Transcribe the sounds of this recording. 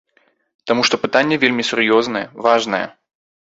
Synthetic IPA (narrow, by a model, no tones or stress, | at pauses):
t̪amuʂt̪ɔpɨt̪anʲːɐvʲelʲmʲisʲʊrjɔznɐjɛvaʐnɐjɛ̰